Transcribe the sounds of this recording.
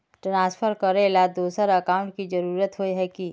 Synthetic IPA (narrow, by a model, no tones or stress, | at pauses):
ʈɾãːspʰəɾkəɾelad̪oːsəɾəkaːʊ̃ɳʈ̚kid͡ʒəɾuːɾət̪ɦoeɦɛki